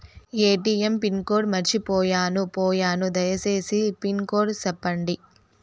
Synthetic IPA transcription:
eːʈiːempinko̞ːɖmɐɾt͡ʃipɔːjaːnupɔːjaːnud̪ɐjɐse̞ːsipinkoːɾsɛpːɐɳɖi

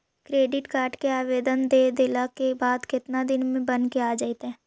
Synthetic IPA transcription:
kɾeːɖɪʈkaːɾɖkeaːʋeːd̪ənd̪eːd̪eːlakebaːd̪kɪt̪nad̪ɪnmẽbɐnkeaːd͡ʒaɪt̪ɦɛ̃ː

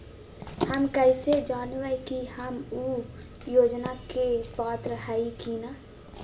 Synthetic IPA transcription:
həmkəɪsed͡ʒaːnʋəjkihəmu | joːd͡ʒnakebaːt̪ɾəɦaːikina

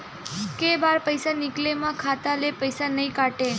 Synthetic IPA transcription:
kebaɾpəjsanɪklemãkʰat̪alepəjsanəĩkaʈe

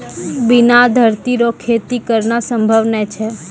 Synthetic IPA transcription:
binad̪ʱəɾt̪iɾokʰet̪ikəɾnasəmbʱəʋnɛt͡ʃʰe

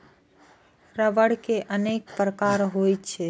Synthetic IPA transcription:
ɾəʋəɽkeʔənek̚pɾəkaɾɦojtt͡ʃʰɛ

